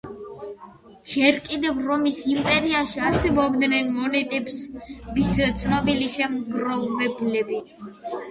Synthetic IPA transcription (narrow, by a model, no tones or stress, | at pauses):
ʒ̥ɛɾkʼid̪ɛvɾɔmisimpʼɛɾiaʃiaɾsɛbɔbd̪nɛnmɔnɛt̪ʼɛbsbist̪sʰnɔbiliʃɛmɡɾɔvɛblɛbi